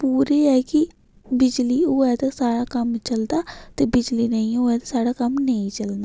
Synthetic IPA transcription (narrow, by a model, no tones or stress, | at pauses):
puːɾeːɛːkɪ | bɪd͡ʒliːoːɛːt̪asaːɽaːkəmt͡ʃəld̪aːt̪eːbɪd͡ʒliːnəĩːoːɛːt̪asaːɽaːkəmnəĩːt͡ʃəlnd̪aː